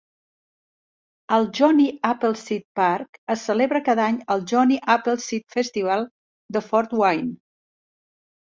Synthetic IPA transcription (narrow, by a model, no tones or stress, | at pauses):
əlˠʒɔniapəlˠsit̪̚paɾkəsːəleβɾəkaðaɲəlˠʒɔniʔapəlˠsit̪fɛst̪iβ̞alˠ | d̪əfɔɾt̪wajn